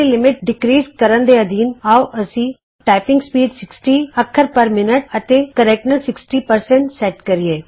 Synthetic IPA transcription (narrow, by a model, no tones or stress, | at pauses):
elɪmɪʈ̚ɖɪkɾiːzkəɾənd̪eːəd̪iːnaːuʔəsĩː | ʈaːɪpɪ̃ŋɡspiːɖsɪksʈiːəkʰːəɾpəɾmɪnəʈ̚ət̪eːkəɾɛk̚ʈnəsɪksʈiːpəɾsɛ̃ɳʈsɛʈkəɾieː